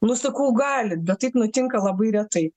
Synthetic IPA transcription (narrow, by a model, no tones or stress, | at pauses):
nʊsɐkɐːɡɑːlʲɪt̪̚bʲɛt̪̚t̪ːɐɪpnʊt̪ʲɪŋkɐlˠɐbɐɪɾʲɛt̪ɐɪ